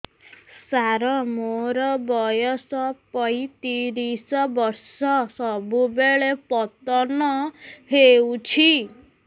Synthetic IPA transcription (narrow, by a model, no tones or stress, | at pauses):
saɾɔmoɾɔbɔjɔsɔpɔit̪iɾisɔbɔɾsɔsɔbubeɭepɔt̪ɔnɔheut͡ʃʰi